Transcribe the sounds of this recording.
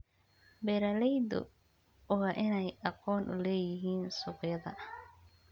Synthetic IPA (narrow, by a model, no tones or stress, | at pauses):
bɛɾɐlɛjd̪ɔ̰ | ɔɣɐʔɪnɛjɐqɔːnʔʊ̰lɛːjɪɦiːnsʊqjɐðɐ̰